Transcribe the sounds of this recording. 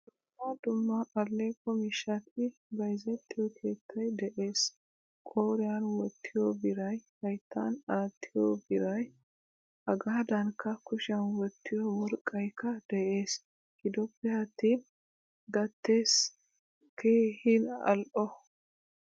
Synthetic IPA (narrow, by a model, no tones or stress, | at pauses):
d̪ʊmːad̪ʊmːɐʔɐlːeːkːɔmiʃɐt̪ːɪbɐjzɛt̪ʰːɪjɔkʰe̞ːt̪ʰːɐjd̪ɛʔe̞ːs | kʼoːɾɪjanwɔt̪ʰːɪjobɪɾɐjhɐjt̪ʰːɐ̰naːt̪ːɪjobɪɾɐj | ʔɐɡaːd̪ɐnkʰːɐkʊʃɐnwɔt̪ːɪjɔwɔɾkʼːɐjkːɐd̪̥ɛʔe̞ːs | hɪd̪ɔpːɛhɐt̪ːɪ | ɡɐt̪ːe̞ːs | kʰeːhɪnɐ̰lʔɔ